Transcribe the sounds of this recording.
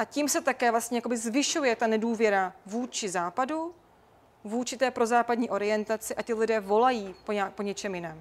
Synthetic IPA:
ʔaciːmsɛt̪akɛːvlast̪ɲɛjako̞bɪzvɪʃujɛt̪anɛduːvjɛɾavuːt͡ʃɪzaːpadu | vuːt͡ʃɪt̪ɛːpɾo̞zaːpadɲiːʔo̞ɾɪjɛnt̪at͡sɪʔacɪlɪdɛːvo̞lajiːpoapoɲɛt͡ʃɛmjɪnɛːm

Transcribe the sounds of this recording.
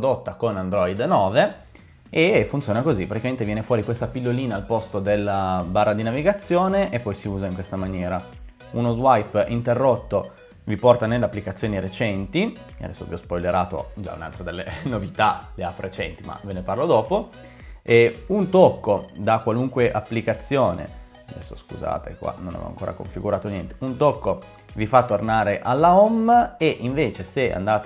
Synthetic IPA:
d̪ot̪ːakonand̪ɾɔjd̪nɔːve | efunt̪sjoːnakozipɾat̪ikament̪evjɛnefwɔːɾikwest̪apilːoliːnaːlpost̪od̪elːabarːad̪inaviɡat̪sːjoːneʔepːɔjsiuːzaiŋkwest̪amanjɛːɾa | unozwajpint̪erːot̪ːo | vipɔrt̪anelːeapːlikat̪sːjoːniɾet͡ʃɛnt̪iḛa̰d̪ɛsːo̰vḭɔspojleɾa̰ːt̪o̰d͡ʒa̰ṵnalt̪ɾad̪elːenovit̪aleapːɾet͡ʃɛ̰nt̪ima̰veneparlod̪ɔːpo | ɛunt̪okːod̪akwaluŋkweʔapːlikat̪sːjoːnḛ | ad̪ɛ̰sːoskṵza̰ːt̪ḛkwa̰nonɛ̰vo̰a̰ŋkoːɾʔa̰ko̰ɱfiɡuɾaːt̪onjɛnt̪e̥unt̪okːo | vifat̪ːornaːɾeʔalːaɔmeʔiɱveːt͡ʃesea̰nd̪aːt̪

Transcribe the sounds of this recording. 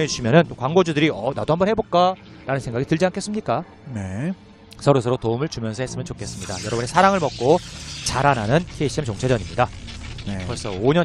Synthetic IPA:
ed͡ʑuɕʰimjʌnɯnt͈okwaŋɡod͡ʑudɯɾiʌnadoɦambʌnhɦe̞bok͈a | ɾanɯnsʰe̞ŋɡaɡitɯʎd͡ʑiankʰes͈ɯmɲik͈a | ne̞ | sʰʌɾosʰʌɾotoumɯɭt͡ɕumjʌnsʰʌɦes͈ɯmjʌnt͡ɕokʰes͈ɯmɲida̰jʌɾʌbunesʰaɾaŋɯɭmʌk̚k͈ot͡ɕaɾanɦanɯnkʰeiɕʰemt͡ɕoŋt͡ɕʰed͡ʑʌɲimɲidaekɯɾesʰʌoɲʌ

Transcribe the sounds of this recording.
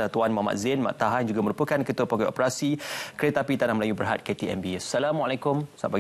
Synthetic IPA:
at̪uanmama̰t̪̚zɛnma̰ʔt̪aɦand͡ʒuɡaməɾupəkankət̪uəpaɡajʔɔ̰pəɾasikəɾet̪apit̪anahməlajubərɦa̰t̪̚ket̪iɛ̰mbisalamwalakʊmsaapa

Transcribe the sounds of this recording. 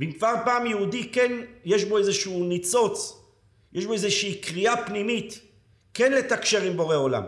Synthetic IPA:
bimfaʁpaːmjeudikenjeʃboezeʃuːnit͡so̞t͡s | jʔeʃbo̞ezeʃiːkʁiapnimit̪ | kenle̞t̪akʃe̞ʁimbo̞ʁeola̰m

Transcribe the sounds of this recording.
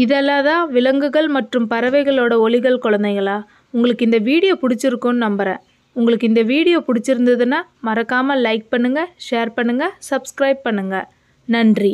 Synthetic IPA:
ɪðɛlːaːðãːʋɪlɐŋɡɯɣɐɭmɐʈrɯmpɐɾɐʋɐɪɣɐɭoːɽɐɔɭɪɣɐɭkɔɭɐnd̪ɐɪɣɐɭaː | ʊŋɡɐɭɯkːɪnd̪ɐʋiːɽɪjoːpʊɽɪt͡ʃːɪɾɯkːoːnnɐmbɐɾɐ̃ | ʊŋɡɐɭɯkːɪnd̪ɐʋiːɽɪjoːpʊɽɪt͡ʃːɪɾɯnd̪ɐðɯnːaːmɐɾɐkːaːmɐlɐɪk̚pɐɳːɯŋɡɐʂeːɾpɐɳːɯŋɡɐsɐbskɾɐɪb̚pɐɳːɯŋɡɐ | nɐndri

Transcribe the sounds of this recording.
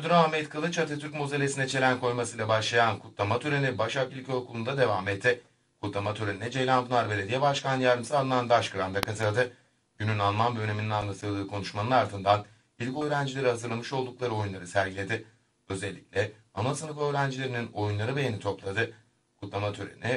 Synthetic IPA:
d̪yɾavamet̪kʰɯlˠɯt͡ʃat̪ɯt̪ʰyɾc̚ʲmozelʲesinɛt͡ʃʰe̞ɾʲænkʰo̞jmasɯjlˠabaʃlˠajankʰut̪lˠamat̪ʰyɾenibaʃabilʲicʰokʰulˠund̪ad̪e̞vaːmet̪̚ʰːɪ | kʰut̪lˠamat̪ʰyɾeninɛd͡ʒe̞jlʲanb̪unˠaɾbe̞lʲed̪ijɛbaʃkanjaɾd̪ɯmsɯad̪ɯnand̪aʃkɯɾand̪akʰat̪ʰɯlˠad̪ɯ | ɟynynalˠmanbøne̞mininanlˠat̪ʰɯlˠd̪ɯːkʰo̞nuʃmanɯnaɾd̪ɯnd̪an | biɾʲɡo̞ːɾænd͡ʒilʲeɾihazɯɾlˠamɯ̥ʃo̞lˠd̪uklˠaɾɯo̞junlˠaɾɯsæɾɟilʲe̞d̪ɪ | ø̞zɛlʲːiclʲɛanasɯnɯfø̞ːɾænd͡ʒilʲe̞ɾinino̞junlˠaɾɯbejenit̪ʰo̞plˠad̪ɯ | kʰut̪lˠamat̪ʰyɾḛni

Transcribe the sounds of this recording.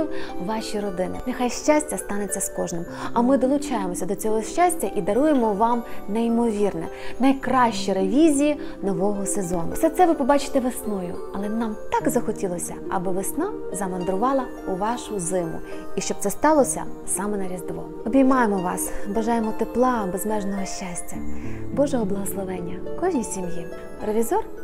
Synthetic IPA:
ʋɑʃʲiɾɔd̪ɪnɪ̰nɪxɑjʃt͡ʃasʲtʲɐst̪ɑnet͡sʲːɐskɔʒnɪm | ɐmɪd̪ɔlˠʊt͡ʃɑjemɔsʲɐd̪ɔt͡sʲɔɦɔʃt͡ʃasʲtʲːɐʔid̪ɐɾujemɔʋɑmneimɔʋʲirnɛ̰nɐjkɾɑʃʲt͡ʃiɾeʋʲizʲiji | nɔʋɔɦɔsezɔnʊ̰sɛt̪sɛʋɪpɔbɑt͡ʃɪ̥t̪ɛʋesnɔjʊɐlˠɛnɑmt̪ɑɡzɐxɔtʲilˠɔsʲɐɐ̰bɪʋesnazɐmɐnd̪ɾʊʋɑlˠɐ | ʊʋɑʃʊzɪmʊ̰iʃt͡ʃɔb̪̚sɛst̪ɑlˠɔsʲɐ̰sɑmenɐɾʲizd̪ʋɔ̰mɔbʲijmɑjemɔʋɑ̰sbɐʒɑjemɔt̪eplˠɑbezmɛʒnɔɦɔʃt͡ʃasʲtʲɐbɔʒɔɦɔblˠɐɦɔslˠɔʋɛnʲːɐkɔʒnʲisʲimji | reʋʲizɔr

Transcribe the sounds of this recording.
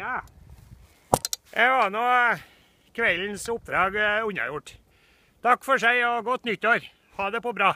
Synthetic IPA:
jʔæʋɑnu | kʰʋɛln̩sʊp̚d̪ɾɑːɡʉnɑ̰jʊʈ | t̪ʰɑkːfɔʂæɪɔɡɔt̪nʏt̪ːoːɾ | hɑːd̪ɛpɔbɾɑː

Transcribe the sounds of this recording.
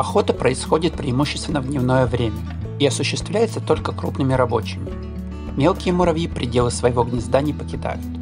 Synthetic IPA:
ɐxo̞t̪əpɾəɪsxo̞dʲɪt̪̚pɾʲɪːmuɕːɪst̪vɪnːəvɡdnʲɪvno̞jəvɾʲemʲə | iɐsʊɕːɪst̪vlʲæjɪt̪sət̪o̞lʲkəkɾupnɨmʲɪɾɐbo̞t͡ɕɪmʲɪ | mʲe̞lˠkʲɪjəmʊɾɐvʲjipɾʲɪdʲe̞lˠɨsvəjɪvoɡnʲɪzd̪anʲɪjəpəkʲɪd̪a̰jʊt̪

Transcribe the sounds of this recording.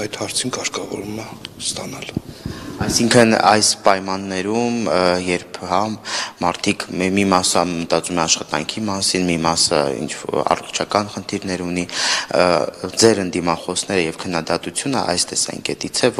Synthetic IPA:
ɑjt̪hɑɾt͡sʰinkɑɾkʰɑvɔ̰ɾumɛst̪ɑnɑl | ɑjsiŋkʰənɑjspɑjmɑnːɛɾumjɛɾpʰhɑmɑɾt̪ʰikʰmimɑsəmət̪ɑt͡sumɛɑʃχɑt̪ɑŋkʰimɑsinmimɑsə̰ḭnt͡ʃʰɑ̰rɔχt͡ʃʰɑkɑnχənt̪ʰiɾnɛɾuni | d͡zɛɾənd̪imɑχɔsnɛɾəjɛvkʰənːɑd̪ɑt̪ut͡sʰjunə̰ʔɑ̰jst̪ɛsɑ̰ŋkɛt̪it͡sʰɛ

